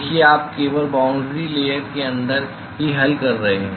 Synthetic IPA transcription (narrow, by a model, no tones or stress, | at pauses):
kieaːp̚keːbəɾbãːʊ̃ɳɖɾileːjəɾkeɐ̃nd̪əɾ | ɦiɦɐlkɐɾːɐɦeɦɛ̃ː